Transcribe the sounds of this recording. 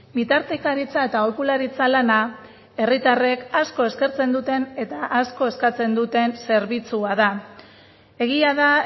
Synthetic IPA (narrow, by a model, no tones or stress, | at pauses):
bit̪aɾt̪e̞kaɾit͡sae̞t̪aokulaɾit͡salana | e̞rit̪are̞kasko̞e̞ske̞ɾt͡se̞nd̪ut̪e̞ne̞t̪aʔasko̞e̞skat͡se̞nd̪ut̪e̞nse̞ɾβit͡suaða | e̞ɣiaða